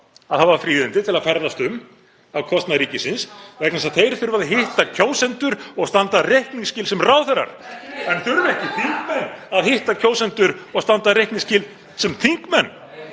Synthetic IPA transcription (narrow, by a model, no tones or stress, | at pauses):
aðhaðvaɾfɾiːðɪnt̪ɪt̪ʰɪlaðfɛɾðast̪ʏm | awkʰɔst̪naɾiːcɪsɪnsvɛknas̬aðθejɾɪθʏɾvaðɦɪht̪acʰoːwsɛnt̪ʏɾɔɣst̪ant̪arejhkniŋscɪːlsɛmraːwθɛrːa̰ɾ̥ɛnθʏɾvɛhcɪθʰiŋkmɛnːaðhɪht̪acʰoːwsɛnt̪ʏɾɔɣst̪ant̪aɾejhkniŋscɪːl | sɛmt̪ʰiŋkmɛnː